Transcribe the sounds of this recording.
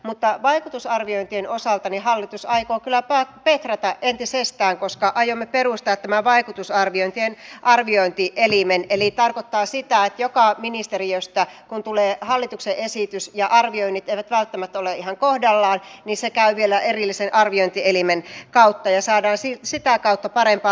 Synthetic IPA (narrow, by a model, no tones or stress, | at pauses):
mut̪ːɑʋɑikut̪usɑrʋioint̪ienosɑlt̪ɑnihɑlːit̪usɑikoːkylːˑæpɑpet̪ræt̪ɑʔʔent̪isest̪æːŋkoskɑʔɑjomːeperust̪ɑt̪ːæmæʋɑikut̪usɑrʋioint̪ienʔɑrʋioint̪iʔelimenelit̪ɑrkot̪ːɑːsit̪æet̪jokɑminist̪eriøst̪ækunt̪uleːhɑlːit̪ukseʔesit̪ysjɑʔɑrʋioinːit̪eiʋæt̪ʋælt̪ːæmæt̪ːoleʔihɑŋkohdɑlːɑːnnisekæyʋielæʔerilːisenʔɑrʋioint̪ielimenkɑut̪ːɑjɑsɑːdɑːnsisit̪ækɑut̪ːɑpɑrempɑː